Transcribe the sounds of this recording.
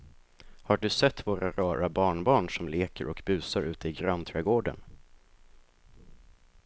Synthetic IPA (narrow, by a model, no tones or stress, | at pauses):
haɖɵsɛt̪ːvoːɾʔaɾɑːɾabɑːɳbɑːɳʂɔmleːkə̰ɾʔɔkbʉ̟ːsaɾʉ̟ːt̪əɪɡɾant̪ʰɾɛːɡoːɖə̰n